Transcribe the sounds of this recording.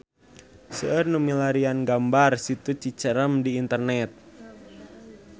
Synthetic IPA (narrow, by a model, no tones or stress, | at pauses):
səərnumilaɾianɡambarsit̪ut͡ʃit͡ʃəɾəmdiːnt̪ərnɛt̪̚